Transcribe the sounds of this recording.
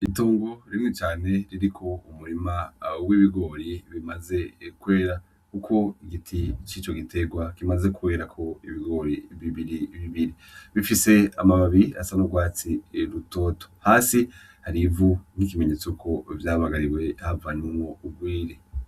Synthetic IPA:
ituːŋɡo̞ɾiŋit͡ʃaːne̞ɾiɾikʰo̞umuɾimawiβiɡo̞ːɾiβimaze̞kwe̞ːɾa | kukʰo̞iɡitʰit͡ʃiːt͡ʃo̞ɡitʰe̞ɡwakimaze̞kwe̞ːɾakʰo̞iβiɡo̞ːɾiβiβiɾiβiβiɾi | βifise̞a̰maβaβiia̰sanuɡwaːt͡siɾuto̞ːto̥haːsi | haɾivun̥ik̬imeɲe̞ːt͡sokʰo̞vjaːhamaɡaɾiwe̞havanumo̞ub̚ɡwiːɾe

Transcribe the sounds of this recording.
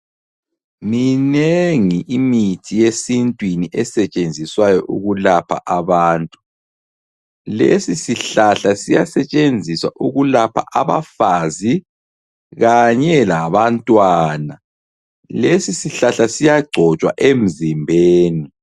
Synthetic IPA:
mineŋiʔimitʰijesintʼwiniʔɛsɛt͡ʃʼend͡zʱiswajɔʔuɣulapʰa̰ʔaβaːntʼu̥ | lḛsisiɬaɬasijasɛt͡ʃʼend͡zʱiswaʔuɣulapʰa̰ʔaβa̰faːzi | ɣaɲɛlaβantʼwaːna | lesisiɬaɬasijaɡ͡ǀʱɔt͡ʃʼwa̰ʔem̩zimbʱeːni

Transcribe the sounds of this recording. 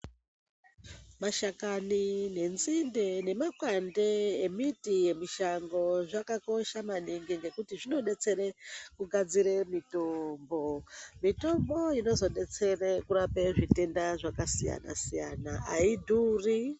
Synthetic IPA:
maʃakanine̞nzinde̞ne̞makwande̞emitije̞miʃaŋɡo̞ʐakako̞ʃamaniŋɡiŋɡe̞kutiʐino̞ɗe̞t͡se̞ɾekuɡʱad͡ziɾemitombo̞mito̞mboino̞zo̞ɗet͡serekuɾape̞ʐite̞ndaʐakasija̰na̰sijanaaidʱuːri

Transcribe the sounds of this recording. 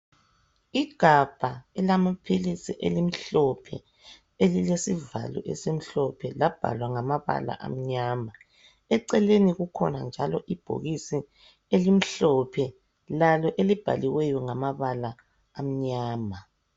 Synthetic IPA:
iɡ̥ʱab̥ʱaɛlamapʰilisiʔelim̩ɬɔpʰɛ̰ | elilesiva̰lṵʔɛ̰sem̩ɬɔpʰɛlab̥ʱa̰lwaŋamaβa̰la̰ʔa̰m̩ɲaːma | ɛǀɛleniɣukʰɔ̰nand͡ʒʱalɔʔib̥ʱo̰ɣisi | elim̩ɬɔpʰɛ | lalɔʔelib̥ʱa̰liwɛjɔŋamaβalaː | m̩ɲaːma

